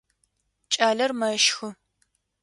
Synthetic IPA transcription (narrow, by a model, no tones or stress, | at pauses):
t͡ʃʼaːɮɐrmɐʃxɨ